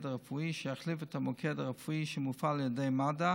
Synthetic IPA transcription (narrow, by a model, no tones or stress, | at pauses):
daʁəfuiʃəaχlifətamɔkʰɛdaʁɛfuiʃəmufaljədeɪmada